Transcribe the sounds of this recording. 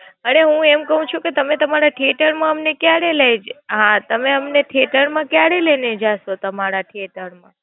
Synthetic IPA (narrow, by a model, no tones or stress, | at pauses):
əneɦũemkəɦũt͡ʃʰũket̪əmet̪əmaɾaʈʰeʈəɾmãəmnekjaɽelejd͡ʒɦãt̪əmeəmneʈʰeʈəɾmãkjaɽelened͡ʒaʃot̪əmaɾaʈʰieʈəɾmã